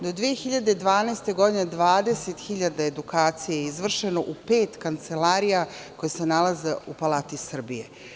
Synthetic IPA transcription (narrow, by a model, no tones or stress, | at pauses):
d̪o̞d̪ʋijexiʎad̪ed̪ʋaːnaːst̪e̞ɡo̞d̪ined̪ʋaːd̪e̞set̪xiʎad̪aed̪ukaːt̪sijejeizʋr̩ʃe̞no̞ʔupeːt̪kant̪se̞laːɾijako̞jese̞nalaze̞upalˠaːt̪isr̩bije